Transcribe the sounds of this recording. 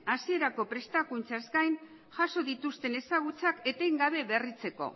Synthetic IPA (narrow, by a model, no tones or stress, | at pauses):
asie̞ɾako̞pɾe̞st̪akunt͡saezɡajn | ʝaso̞ðit̪ust̪e̞ne̞saɣ̞ut͡sake̞t̪ejŋɡaβ̞e̞βe̞rit͡se̞ko̞̰